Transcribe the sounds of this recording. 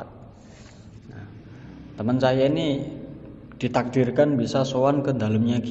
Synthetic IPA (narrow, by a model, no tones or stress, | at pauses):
t̪̚ | nah | t̪əmənsajaini | d̪̥i̤t̪ak̚d̪̥irkanbisasowankənd̪a̤ləmɲaki